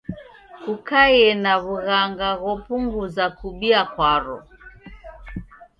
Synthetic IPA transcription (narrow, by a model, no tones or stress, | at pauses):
kukajɛnaβuɣaŋɡaɣɔpuŋɡuzakuɓiakwaɾɔ̰